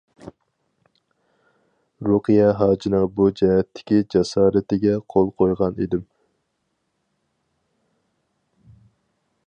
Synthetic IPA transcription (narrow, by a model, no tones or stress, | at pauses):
ɾuqɨjɛɦɑːd͡ʒinɨŋbud͡ʒɛɦɛt̪ʰːɪ̥kʲid͡ʒɛsɑːɾɪt̪ɪɡʲɛqʰolˠqʰojʁɑnḛd̪ɪm